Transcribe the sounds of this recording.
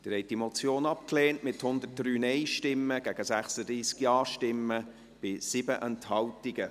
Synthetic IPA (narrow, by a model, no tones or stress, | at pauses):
d̥əɾɛɪt̚d̥imot͡sjoːnɑpkleːntmɪthʊnd̪ət̚d̥ɾyːnɛɪʃtɪmːəɡ̥æɡ̥əsæχsəd̪ɾiːskjɑːʃtɪmːə | b̥ɪsɪbəʔɛnthɑltɪɡə